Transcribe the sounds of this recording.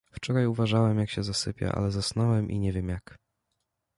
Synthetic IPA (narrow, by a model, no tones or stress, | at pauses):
ft͡ʂɔɾajuvaʐawɛmjakɕɛzasɘpʲja̰ʔa̰lɛzasnɔwɛmʔḭɲɛvʲjɛmjak